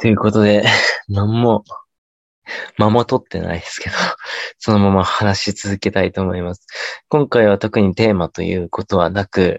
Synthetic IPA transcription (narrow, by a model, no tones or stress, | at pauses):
t̪o̞jɯ̟ːko̞t̪od̪e̞nãmːo̞ | mamot̪o̞t̪ːe̞̰na̰id̪e̞sɨ̥ke̞d̪̥o̞so̞no̞mamahanaɕit͡sɨzɨke̞t̪ait̪o̞ːmo̞imasɨ̥kõ̞ŋkaiβ̞at̪o̞kɯ̟ɲ̟it̪e̞ːmat̪o̞̰jɯ̟̰ːko̞t̪o̞β̞a̰nakɯ̟